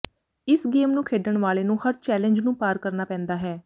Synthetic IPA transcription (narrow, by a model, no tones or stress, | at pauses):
ɪsɡeːmnũːkʰeːɖəɳʋaːleːnũːhəɾt͡ʃɛːləɲd͡ʒnũːpaːɾkəɾnaːpɛ̃ːnd̪aːɦɛː